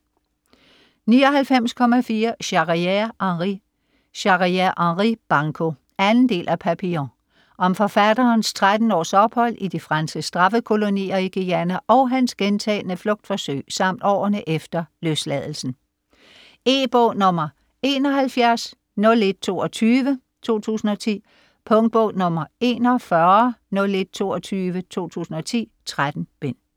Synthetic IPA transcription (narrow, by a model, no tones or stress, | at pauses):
niːɒ̽ɦælfem̰skʰɒ̽mæfiːɐɕɑ̈ʁiʔɑʁi | ɕɑ̈ʁiæʔɑʁib̥ɑ̈ŋkʰo̝ | ænn̩d̥e̝̰ːlʔæpʰæpʰio | ʔɒ̽mfɒ̽fæd̥ɐːnst͡sʰʁad̥n̩ɒ̰ːsɒ̽b̥hɒ̽l̰id̥ifʁɑnsɡ̥əsd̥ʁɑ̈fəkʰo̝lo̝nḭːɐiɡ̥iænæʔɒ̽ʊɦænsɡ̥ent͡sʰɛ̰ːlnəflɔ̽ɡ̥̚d̥fɒ̽sø̰ɪ̰sɑ̈m̰d̥ɒ̰ːɐnəʔefd̥ɐløslɛð̞ˠl̩sn̩ | e̝̰ːb̥ɔʊnɔ̽mɐ | e̝ːnɒ̽ɦælfjæɐs | nɔ̽le̝d̥̚t͡sʰo̝ːɒt͡sʰyːʋə | t͡sʰo̝̰ːt͡sʰṵːsn̩ɒ̽t͡sʰḭː | pʰɔ̽ŋd̥̚b̥ɔʊnɔ̽mɐe̝̰ːnɒfɶɐnɔ̽le̝d̥̚t͡sʰo̝ːɒt͡sʰyːʋət͡sʰo̝̰ːt͡sʰṵːsn̩ɒ̽t͡sʰḭːt͡sʰʁad̥n̩b̥en̰